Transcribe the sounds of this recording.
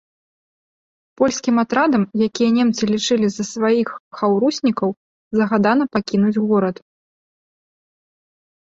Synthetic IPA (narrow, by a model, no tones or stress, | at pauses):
pɔlʲsʲkʲimat̪ɾad̪ɐmjakʲijɛnʲemt̪sɨlʲit͡ʂɨlʲizɐsvajixxawɾusʲnʲikɐw | zɐɣad̪anɐpakʲinud͡zʲɣɔɾɐt̪